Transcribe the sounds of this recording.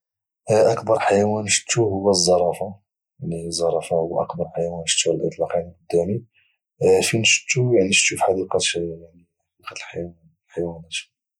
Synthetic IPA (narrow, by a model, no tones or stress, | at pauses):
ʔɑkb̪ɑɾˤħajæwænʃə̥t̪ːuhʊwːæzˤːɑɾˤɑfɑ | lizˤːɑɾˤɑfɑhʊwːæʔɑ̰kb̪ɑɾˤħajæwænʃə̥t̪ːulʔə̰t̪ˤlɑqinqod̪ːæmi | finʃə̥t̪ːujaʕniʃufħad̪iqɑaʕni | ħɑd̪iqɑt̪lħajwn | lħajwænæt̪